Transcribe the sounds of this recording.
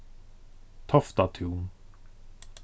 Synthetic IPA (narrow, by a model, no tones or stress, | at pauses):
t̪ʰɔft̪at̪ʰuːn